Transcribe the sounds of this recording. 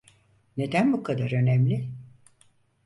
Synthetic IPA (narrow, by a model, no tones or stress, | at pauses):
ne̞d̪ænbukʰad̪aɾø̞næmlʲɪ